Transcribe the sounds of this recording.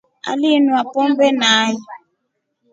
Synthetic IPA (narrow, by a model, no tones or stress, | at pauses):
a̰linuapɔmbɛnaːjɛ